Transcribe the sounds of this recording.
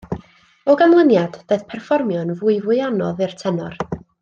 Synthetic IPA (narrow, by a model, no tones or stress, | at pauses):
ɔɡamlˠənjad̥b̥eθpʰɛrfɔrmjɔnvuɨvʊɨanɔðɨrtʰɛnɔr